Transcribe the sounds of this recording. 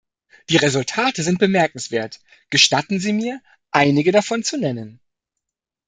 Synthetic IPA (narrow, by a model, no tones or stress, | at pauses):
d̥iːʁezʊltʰaːtəzɪnt̚b̥əmɛɐkŋ̩sv̥eːɐt | ɡ̥əʃtatn̩ziːmiːɐ | ʔaɪnɪɡədafɔnt͡sunɛnən